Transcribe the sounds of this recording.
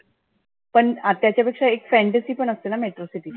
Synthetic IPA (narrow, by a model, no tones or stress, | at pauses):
pəɳat̪jat͡ɕjapekʂaekfɛ̃ɳʈesiːpəɳəst̪enameʈɾosiʈiː